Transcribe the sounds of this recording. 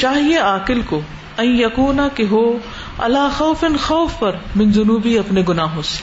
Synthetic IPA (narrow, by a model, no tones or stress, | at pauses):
t͡ʃaːɦieaːkɪlko | ɐ̃njjɐkuːnakeɦoː | ɐ̰laːxɐːfɪnxɐːfpɐɾmɪ̃nzʊnuːbiɐpneɡʊnaːɦoːs